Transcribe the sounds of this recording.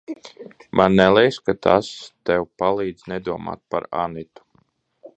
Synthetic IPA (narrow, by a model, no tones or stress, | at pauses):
mʔanːɛlˠɛjskat̪ʰast̪ɛwpalˠiːd̪znɛd̪uɔma̰ːt̪̚pa̰ɾa̰nit̪u̥